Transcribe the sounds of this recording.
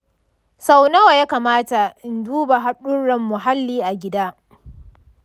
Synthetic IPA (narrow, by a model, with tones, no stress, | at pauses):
sa˦wnɐ˦wa˨jaː˦kaː˨maː˦ta˨ʔɪ˨nduː˦ba˨ɦa˦ɗʊ˦ɽɐ˨mːʊ˨ɦa˦lːiː˦ʔa˨ɡʲɪ˦daː˦